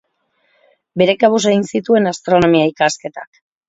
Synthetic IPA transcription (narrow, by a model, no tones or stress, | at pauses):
be̞ɾe̞kaβuseɣinsit̪ue̞nast̪ɾo̞no̞miaikaske̞t̪ak